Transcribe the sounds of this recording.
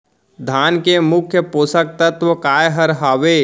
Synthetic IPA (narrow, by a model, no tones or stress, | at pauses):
d̪ʱaːnkemʊkʰjəpoːsək̚t̪ət̪ʋəkaːjɦɐɾɦaːʋeː